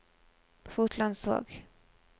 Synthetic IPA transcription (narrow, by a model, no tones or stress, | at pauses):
fuːt̪ʰland̪so̰ːɡ